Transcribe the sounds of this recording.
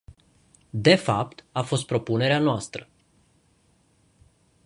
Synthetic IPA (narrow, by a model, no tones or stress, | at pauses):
d̪e̞fap̚t̪afo̞st̪̚pɾo̞pune̞ɾeanoast̪ɾə